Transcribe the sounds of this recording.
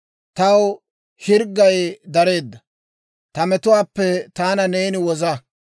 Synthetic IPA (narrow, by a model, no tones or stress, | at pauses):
t̪ɐw | hɪɾɡːɐjd̪ɐɾe̞ːd̪ːɐ | t̪ɐmɛt̪ʊwaːpːɛt̪aːnɐne̞ːnɪwɔzɐ